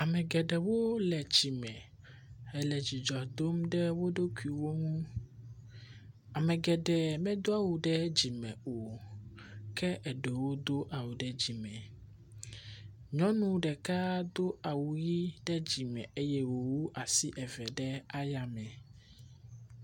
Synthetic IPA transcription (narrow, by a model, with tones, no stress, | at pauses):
a˨mɛ̃˨ɡɛ˨ɖɛ˨wo˦lɛ˨d͡ʑi˨mɛ̃˨ | ɛ˨lɛ˨d͡ʑi˨d͡ʒɔ˨d̪o˦mɖɛ˦wo˦ɖo˦ku˨i˨wo˦ŋũ˦ | a˨mɛ̃˨ɡɛ˨ɖɛ˨mɛ̃˦d̪o˦a˦wu˨ɖɛ˦d͡ʑi˨mɛ̰̃˨o˨ | kʰɛ˦ʔɛ˨ɖe˨wo˦d̪o˦ʔa˨wu˨ɖɛ˦d͡ʑi˨mɛ̃˨ | ɲɔ̃˦nũ˦ɖɛ˨ka˦d̪o˦a˨wu˨ji˦ɖɛ˦d͡ʑi˨mɛ̰̃˨e˦jɛ˦wo˨wu˦ʔa˨si˦ʔɛ˨vɛ˨ɖɛ˦a˦ja˨mɛ̃˨